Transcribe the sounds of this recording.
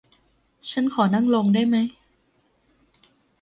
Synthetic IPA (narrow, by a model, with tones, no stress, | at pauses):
t͡ɕʰa˦˥nkʰɔː˩˦na˥˩ŋlo˧ŋdaː˥˩jma˦˥j